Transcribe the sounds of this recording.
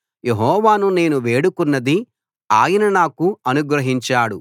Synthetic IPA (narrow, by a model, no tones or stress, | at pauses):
jeɦɔːʋaːnune̞ːnuʋe̞ːɽukunːɐd̪i | aːjinɐnaːkuɐnuɡɾɐɦiɲt͡ʃaːɽu